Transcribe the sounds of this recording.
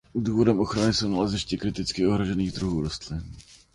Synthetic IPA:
duːvodɛmʔo̞xɾanɪsownalazɪʃcɪkɾɪt̪ɪt͡skɪo̞ɦɾoʒɛniːɣd̪ɾuɦuːɾost̪lɪn

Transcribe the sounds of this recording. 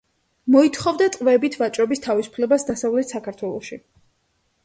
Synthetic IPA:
mɔit̪ʰχɔvd̪at̪sʼqʼvɛbit̪ʰvat͡ʃʼɾɔbist̪ʰavisu̥pʰlɛbasd̪asavlɛt̪ʰsakʰaɾt̪ʰwɛlˠɔʃi

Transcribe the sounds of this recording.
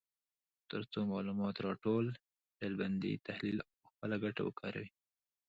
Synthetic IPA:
t̪əɾt͡somɑlumɑt̪ɾɑʈol | ɖelband̪ḭt̪ahlilaəxpəlaɡaʈa̰wə̰kʰɑɾa̰wi

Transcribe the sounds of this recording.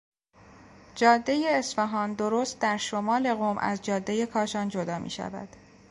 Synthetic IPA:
d͡ʒɒːd̪ːe̞jeːsfeɦɒːnd̪o̞ɾoːst̪̚d̪æɾʃomɒːle̞ɣoːmʔæ̰zd͡ʒɒːd̪ːe̞je̞kʰɒːʃɒːnd͡ʒod̪ɒːmʔḭːʃæ̰væ̰d̪̥

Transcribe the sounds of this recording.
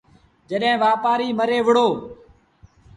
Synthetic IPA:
d͡ʒəɗɦɪ̃ːʋaːpaːɾiːməɾeːʋəɽoː

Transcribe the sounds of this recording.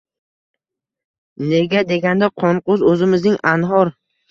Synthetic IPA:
ne̞ɡʲad̪e̞ɡʲand̪aqʰɒɴqʊzɵzɪmɪznɪŋʔanɦɒɾ

